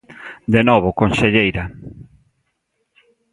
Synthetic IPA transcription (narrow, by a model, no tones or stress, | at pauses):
d̪enɔβ̞okonseʎejɾa